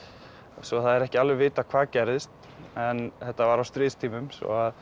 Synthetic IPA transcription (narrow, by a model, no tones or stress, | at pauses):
sɔθaðɛɾɛhcɪalvɪvɪːt̪akʰv̥aːðcɛjɾðɪst̪ | ɛnθɛht̪ːavaɾawst̪ɾɪːðst̪ʰiːmʏmsvɔ̰að